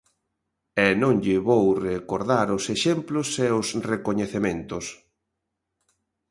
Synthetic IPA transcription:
ɛnõŋʎɪβowrekoɾðaɾʊseʃemplʊsɛʊsrekoɲeθemẽnt̪ʊs

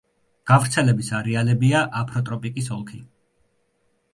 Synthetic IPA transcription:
ɡ̥avɾt̪sʰɛlɛbisaɾɛalɛbiaʔapʰɾɔt̪ʼɾɔpʼikʼisɔŋkʰi

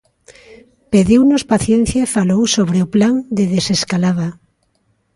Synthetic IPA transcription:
peðiwnʊspaθjɛn̟θjaefalowsoβɾeʊplaŋd̪eðeseskalaβa

